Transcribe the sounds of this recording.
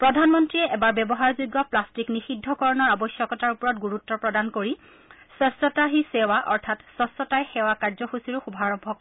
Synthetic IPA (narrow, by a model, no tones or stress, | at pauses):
pɹɔdʱanmɔntɹiɛʔɛbaɹbɛbɔɦaɹzujɡːɔplastiknixidʱːɔkɔɹɔnɔɹabɔsjɔkɔtaɹupɔɹɔtɡuɹutːɔpɹɔdankoɹi | sɔsɔtaɦisɛwaʔɔɹtʰatsɔsɔtajxɛwakaɹzɔxusiɹʊxubʱaɹɔbʱɔk